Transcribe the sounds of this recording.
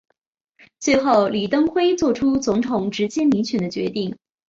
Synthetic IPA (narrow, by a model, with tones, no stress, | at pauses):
t͡swe˥˧ɪxo˥˩ʊli˨˩t̪ɤ˥ŋxwe˥ɪt͡swɔ˥˩ʈ͡ʂʰu˥t͡sʊ˧˥ŋt̪ʰʊ˨˩ŋʈ͡ʂɻ̩˧˥t͡ɕjɛ˥mi˧˥nt͡ɕʰɥɛ˨˥˩nd̪ə˧t͡ɕɥɛ̰˧˥t̪i˥˩ŋ